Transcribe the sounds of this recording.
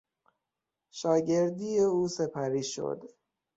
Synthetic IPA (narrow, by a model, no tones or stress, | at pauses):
ʃɒːɟe̞ɾd̪ijeuːse̞pʰæɾiːʃo̰d̪